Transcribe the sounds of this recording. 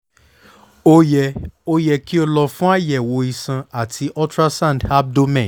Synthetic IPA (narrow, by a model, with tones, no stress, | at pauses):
o˦jɛ˧o˦jɛ˧ki˦o˧lɔ˧fũ˦a˦˨jɛ˨wo˨˦i˨sã˧a˨tʰi˧ʔɔ˦tɾa˦sã˦˨da˦b̚do˦mɛ̃˦˨